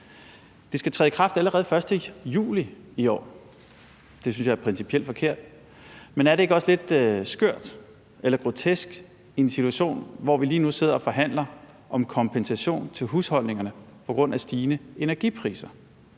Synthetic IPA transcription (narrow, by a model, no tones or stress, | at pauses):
d̥esɡ̥æt͡sʰʁɛːðˠikʰʁɑ̈fd̥æləʁɛːð̞̩ˠfɶɐsd̥əjṵːliiɒ̰ː | d̥e̝synsjɑ̈æɐpʰʁɛnsipʰiel̰d̥fɒ̽kʰe̝ɐ̰d̥ | menæɐɾee̝ɡ̥əɒ̽sle̝d̥sɡ̥øɐ̰d̥ | elɐɡ̥ʁo̝t͡sʰesɡ̥ | ensit͡sʰuæɕo̝̰ːnʋɒʋiliːnuse̝ð̰ˠɐɒ̽fɒ̽ɦæn̰lɐ | ʔɒ̽mkʰɒ̽mpʰensæɕo̝̰ːnt͡sʰe̝lɦushɒ̽l̰ne̝ŋɐnə | pʰɒ̽ɡ̥ʁɔ̽n̰æsd̥iːnəe̝næɐɡ̥ipʰʁḭːsɐ